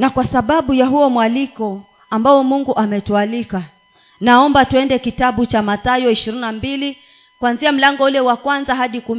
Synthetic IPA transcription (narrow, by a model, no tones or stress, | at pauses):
nakwasaɓaɓujaɦuɔmwalikɔ | ambaɔmuŋɡuʔamɛtualika | naɔmbatuɛndɛkitaɓut͡ʃamatajɔiʃiɾinambili | kwanziam̩laŋɡɔulɛwakwanzaɦaɗiku